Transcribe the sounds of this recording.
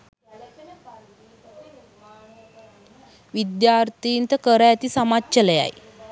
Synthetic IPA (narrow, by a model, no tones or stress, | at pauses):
ʋid̪jaːɾt̪iːnt̪əkəɾəæt̪isamatːt͡ʃələja̰j